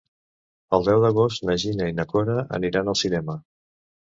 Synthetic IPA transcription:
əlˠd̪ɛwðəɣ̞ost̪nəʒinəinəkoɾəə̰niɾanəlˠsinɛmə

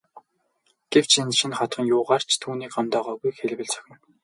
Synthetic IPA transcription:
ɡ̥ew̥t͡ɕʰenʃĭnχɔt̪χə̆ŋjʊːʁaːr̥t͡ɕʰt̪ʰuːniːkamt̪œːʁœːɣujxeɮ̆ʲwɘ̆ɮt͡sʰœ̥xʲɪ̆n

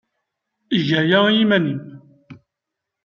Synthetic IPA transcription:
iʝæjæjimænim

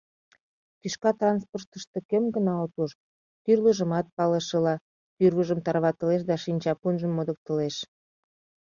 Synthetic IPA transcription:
t̪yʃkɑt̪rɑnsport̪əʃt̪ĕkømɡənɑot̪uʃ | t̪yrləʒə̆mɑt̪̚pɑləʃəlɑ | p̪yrβəʒəmt̪ɑrβɑt̪ə̆leʃ̬d̪ɑʃinʲt͡ɕɑpunʒəmːod̪ə̆k̚t̪ə̆leʃ

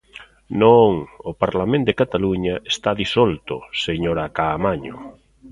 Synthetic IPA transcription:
nõŋopaɾlamẽnd̪ekat̪aluɲaest̪aðisɔlt̪ʊseɲoɾakaːmaɲʊ̰

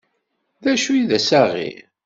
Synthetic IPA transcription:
ðæʃujiðæsaʁḭ

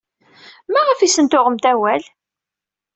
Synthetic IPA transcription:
mæʁəfisənt̪ʊʁəmt̪æwæl

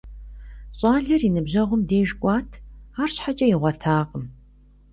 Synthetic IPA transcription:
ɕʼɑːɮɐrinɨbʑɐʁʷʊmdeːʒkʷʼɑːtʰaːrɕħat͡ʃʼɐjiʁʷɐtʰaːqʼəm

